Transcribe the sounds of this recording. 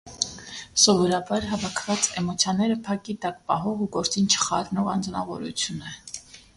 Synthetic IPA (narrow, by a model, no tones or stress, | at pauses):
sɔvɔɾɑbɑɾɦɑvɑkʰvɑt͡sɛmɔt͡sʰjɑnɛɾəpʰɑkit̪ɑkpɑ̰ɦɔʁuɡɔɾt͡sint͡ʃʰə̥χɑ̰ɾnɔʁɑnd͡znɑ̰vɔ̰ɾṵt͡sʰjunə